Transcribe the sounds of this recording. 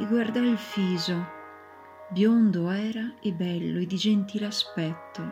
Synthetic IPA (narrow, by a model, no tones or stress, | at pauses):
iɡward̪ailfiːzo | bjond̪oɛːɾaebːɛlːoed̪id͡ʒent̪iːlaspɛt̪ːo